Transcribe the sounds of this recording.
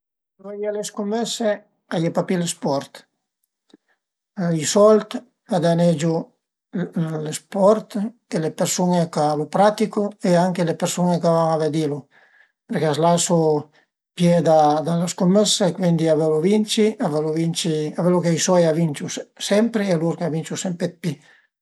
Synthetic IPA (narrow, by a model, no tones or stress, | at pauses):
lɔjeleskomːɛsːe | ajepapilespɔɾt̪ | isɔlt̪ | ad̪aned͡ʒo | lespɔɾt̪kelepeɾsuŋekalupɾat̪ikoeaŋkelepeɾsuŋekavaŋaved̪ilu | peɾkeazlaso | pjed̪ad̪alaskomːɛskwind̪iavelovint͡ʃiavelovint͡ʃiavelokeisɔjavint͡ʃusɛmpɾealuɾkavint͡ʃusɛmpet̪̚pi